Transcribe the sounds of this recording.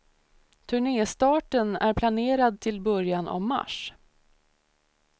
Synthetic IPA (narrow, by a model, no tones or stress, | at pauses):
t̪ʰɵɳeːst̪ɑːʈənæɾpʰlaneːɾad̪̚t̪ʰɪlbœɾjana̰vma̰ʂ